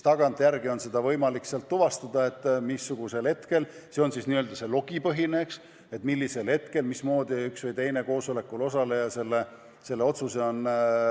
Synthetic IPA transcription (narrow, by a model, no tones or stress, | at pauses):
st̪ɑɡ̥ɑnt̪jæɾɡ̥io̞nse̞d̪ɑvɤjmɑlikseɑlt̪ːuvɑst̪ud̪̥ɑe̞t̪ːˑmisːuɡ̥use̞lhe̞t̪ke̞l | seo̞nsisniːøld̪̥ɑse̞lo̞ɡ̥ipɤɦineːks | e̞t̪ːˑmilːiselhe̞t̪ke̞lmismo̞ːd̪̥iyksvɤjt̪e̞jne̞ko̞ːso̞le̞kːˑulo̞sɑle̞jɑse̞lːe̞ | se̞lːe̞o̞t̪suse̞o̞n